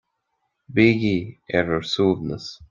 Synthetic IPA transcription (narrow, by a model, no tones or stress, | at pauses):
bɪɡiɛvəɹsuːvnəs